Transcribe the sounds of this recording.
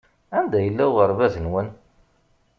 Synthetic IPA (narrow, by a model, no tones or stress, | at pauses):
ænd̪æjəlːæwʁəɾvæðənwən